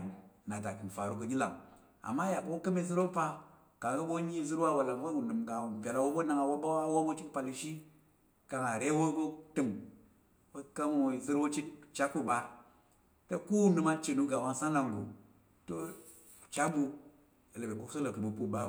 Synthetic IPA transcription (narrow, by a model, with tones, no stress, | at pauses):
na˨ta˨ki˨n˨fa˨ɾu˨kə˨ɡʲi˦la̰˨ŋ | a̰˨mːa˦ja˨bo˦o˦kə˦mi˦zɨ˦ɾo˦pa˦ | ka˨ŋ˨ɡə˦bo˦ɲi˦zɨ˦ɾwa˦wa˨la˨ŋwo˦u˨nɨ˨mɡa˨wn˨pʲe˨la˨wo˦bo˦na˨ŋa˨wo˦ɓa˦wa˦wo˦bo˦t͡ʃi˦kpa˨li˨ʃi˦ | ka˨ŋa˨ɾe˦wo˦bo˦tɨ˨m | wo˦ka˦m˦˨zɨ˦ɾwo˦t͡ʃi˦kt͡ʃa˦kːu˦ɓa˦ | tə˦ku˦wu˦nɨ˨ma˦˨t͡ʃe˨nu˦ɡa˨wa˦nsa˦na˨ŋɡu˨ | to˦ | t͡ʃa˦bu˦ | ə˨le˨be˨ku˦kso˦lo˨kə˨bo˨pu˦ɓa˦˨